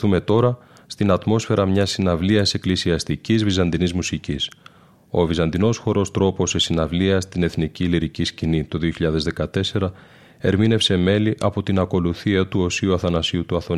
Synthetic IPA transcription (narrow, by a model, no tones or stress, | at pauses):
θume̞t̪o̞ɾɐ | st̪inɐt̪mo̞sfe̞ɾɐmɲɐsinɐvliɐse̞klisiɐst̪icizvizɐnd̪inizmusicis | o̞vizɐnd̪ino̞sxo̞ɾo̞st̪ɾo̞po̞se̞sinɐvliɐst̪ine̞θniciliɾiciscinit̪o̞ðio̞çiʎɐðe̞zðe̞kɐt̪e̞se̞ɾɐ | e̞ɾmine̞fse̞me̞liʔɐpo̞t̪inɐko̞luθiɐt̪uo̞siuɐθɐnɐsiut̪uɐθo